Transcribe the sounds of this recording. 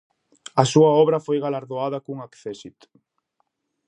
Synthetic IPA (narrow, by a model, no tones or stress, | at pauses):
asuaɔβɾafojɣalaɾðoaðakuŋakθesit̪